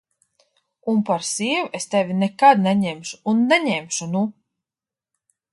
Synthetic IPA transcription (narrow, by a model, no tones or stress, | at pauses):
unpaɾsiɛvest̪ɛvʲinɛkad̪̚nɛɲɛmʃuːnːɛɲɛmʃunu